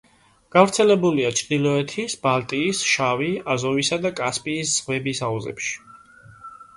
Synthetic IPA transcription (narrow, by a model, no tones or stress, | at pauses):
ɡ̥avɾt̪sʰɛlɛbuliat͡ʃʰd̪ilˠɔɛt̪ʰisbalt̪ʼiːsʃaviazɔvisad̪akʼaspʼiːsz̥ʁwɛbisauzɛ̰pʃi̥